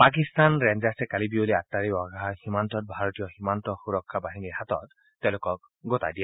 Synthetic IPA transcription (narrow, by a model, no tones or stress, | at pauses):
pak̬istanɹɛnzastɛkalibioliatːaɹiɔɡaximantɔt̚bʱaɹɔtijɔximantɔxuɹɔkʰːabaɦiniɹɦatɔ̰tː | ɛ̃ʊ̃lʊkɔk̚ | ɡota̰jdija